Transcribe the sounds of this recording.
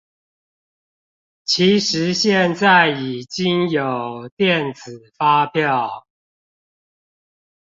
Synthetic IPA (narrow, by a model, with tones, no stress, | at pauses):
t͡ɕʰi˨˦ʂɻ̩˨˦ɕjɛ˥˨nt͡sa˥˨˩ɪi˨˩t͡ɕi˦ŋjo˨˩ʊt̪jɛ˥˨nt͡sɹ̩˨˩fa˦pjɑ˥˨ʊ